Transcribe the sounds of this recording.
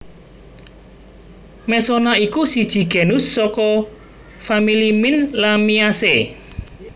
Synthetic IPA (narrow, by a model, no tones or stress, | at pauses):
mɛsonaikusid̥ʒ̥i̤ɡ̥ɛ̤nʊsːɔkɔ | familimɪnlamiase